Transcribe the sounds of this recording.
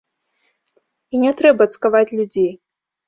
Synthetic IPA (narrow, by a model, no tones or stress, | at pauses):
inʲɛt̪ɾɛbɐt̪skavat͡sʲlʲud͡zʲej